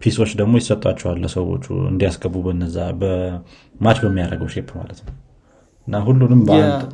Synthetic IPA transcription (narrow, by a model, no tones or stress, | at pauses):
pʰiso̞t͡ʃːd̪əɡmo̞jɪsət̪ʼwat͡ʃːɛwalːəsəwo̞̰t͡ʃːṵɨ̰nd̪ijasɡəbubənːəzːabə | mat͡ʃbəmːijaɾəɡəwʃe̞pʰːma̰lət̪nəw | ʔɨnːaɦulːunɨmbəant̪ʼ